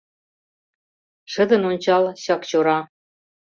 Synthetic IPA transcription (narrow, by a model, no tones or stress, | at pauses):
ʃə̆d̪ə̆nonʲt͡ɕɑlɕɑkt͡ɕoɾɑ